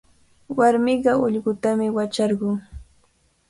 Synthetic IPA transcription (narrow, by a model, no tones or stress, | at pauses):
waɾmɪɢɑʊʎɢʊt̪amɪwat͡ʃɑɾɢʊŋ